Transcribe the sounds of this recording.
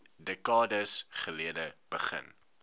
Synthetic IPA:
dɛkɑːdəsχəliədəb̥əχə̰n

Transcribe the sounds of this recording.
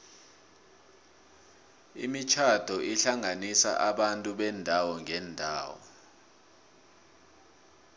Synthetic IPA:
ḭmit͡ʃʰad̥ʱɔʔiɬaŋʱanisa̰ʔaɓantʼuɓɛndʱawɔŋʱɛndʱaːwɔ̰

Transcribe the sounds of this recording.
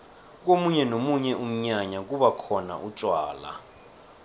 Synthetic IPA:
k̬omuɲɛnomuɲɛʔum̩ɲaɲak̬uɓakʰɔna̰ʔut͡ʃʼwaːla̰

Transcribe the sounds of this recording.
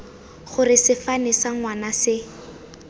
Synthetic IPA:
χʊrɪsɪfanɪsaŋwanasɪ

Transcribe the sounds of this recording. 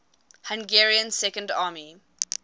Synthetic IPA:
hãŋɡɛɹiə̃nsɛkə̃ndɑːmi

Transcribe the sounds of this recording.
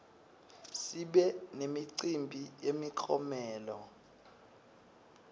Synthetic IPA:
siɓɛnemiǀimbʱijemiǃʰɔmɛːlɔ̰

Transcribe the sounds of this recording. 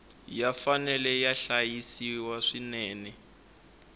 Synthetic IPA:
jafanɛlɛjaɬajisiwaʂinɛːnɛ

